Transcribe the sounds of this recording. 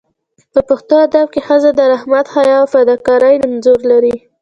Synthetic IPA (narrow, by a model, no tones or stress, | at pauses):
pəpʊxt̪oad̪ab̚kexəzad̪əɾahmat̪xajɑfad̪ɑkɑɾajnanzuɾlaɾi